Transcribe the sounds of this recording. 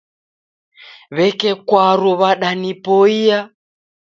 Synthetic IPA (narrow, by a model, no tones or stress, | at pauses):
βɛkɛkwaɾuβaɗanipoia